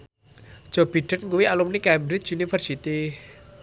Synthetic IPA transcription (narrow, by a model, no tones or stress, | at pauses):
d̥ʒ̥ɔ̤b̥i̤ɖ̥ə̤t̪̚ŋkuwialumnikɛmbɾɪt͡ʃunifərsit̪i